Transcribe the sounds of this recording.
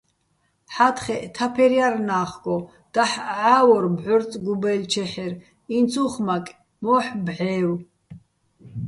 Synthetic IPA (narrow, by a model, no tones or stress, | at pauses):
ħat̪ʰχɛʔt̪ʰapʰɛɾjaɾnaːχɡɔ | d̪̥aħʕaːwɔɾbʕɔɾt͡sʼɡubɛlt͡ʃʰɛħɛɾ | int͡sʰʼuχmakʼ | mɔːħbʕɛːw